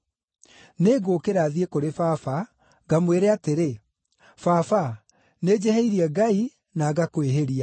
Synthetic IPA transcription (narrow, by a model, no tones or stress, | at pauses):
neɡoːkeɾaːðiekoɾefafa | ɡamweɾeateɾe | fafa | ned͡ʑɛheiɾiɛɡai | naːɡakoweɦeɾia